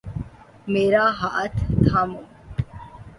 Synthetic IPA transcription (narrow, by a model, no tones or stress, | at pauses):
meːɾaːɦaʔət̪ʰt̪ʰamo